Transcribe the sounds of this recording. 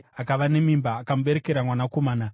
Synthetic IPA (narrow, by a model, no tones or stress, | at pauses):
akaʋane̞mimbaːkamuɓe̞ɾeke̞ɾamwanakomaːna